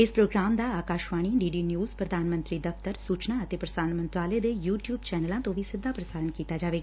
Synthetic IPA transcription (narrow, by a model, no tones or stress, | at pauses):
ɪspɾoːɡɾaːmd̪aːaːkaːʃʋaːɽ̃iːɖiːɖiːnjuːzpɾəd̪ʱaːnmə̃nt̪ɾiːd̪əft̪əɾsuːt͡ʃnaːət̪eːpɾəsaːɾənmə̃nt̪aːleːd̪eːjuːʈjuːbt͡ʃɛːnəlãːt̪õːʋiːsɪd̪ʱːaːpɾəsaːɾəɳkiːt̪aːd͡ʒaːʋeːɡaa